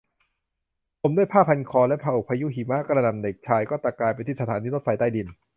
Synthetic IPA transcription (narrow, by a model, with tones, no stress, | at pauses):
pʰo˩˦mdu˥˩əjpʰaː˥˩pʰa˧nkʰɔː˧lɛ˦˥pʰaː˧ʔo˨˩pʰa˧ju˦˥˨ɦi˨˩˦ma˦˥ʔkːɾa˧na˧˩mde˨˩k̚t͡ɕʰaː˧jkɔː˥˩t̪ɾa˧˩klaː˧jpa˧jt̪ʰiː˥˩sa˧t̪ʰaː˨˦nʰiː˦˥lo˥t̪̚fa˧jt̪aː˥˩jdi˧n